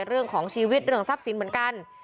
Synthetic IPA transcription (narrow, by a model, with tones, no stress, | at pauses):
ɾɯ˥˩əŋkʰɔː˩˦ŋt͡ɕʰiː˧wi˦˥t̪̚ɾɯ˧˩əŋsa˦˥p̚si˨˩˦nm˩˦ənka˧n